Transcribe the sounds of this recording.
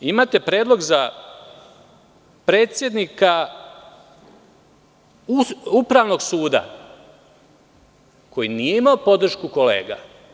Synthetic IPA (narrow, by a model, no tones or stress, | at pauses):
imaːt̪e̞pɾe̞ːd̪lˠo̞ɡza | pɾeːt̪sʲje̞d̪nika | uupɾaʋno̞ɡsuːd̪a̰ | ko̞jinijeimaopo̞d̪r̩ʃkuko̞le̞̰ːɡa̰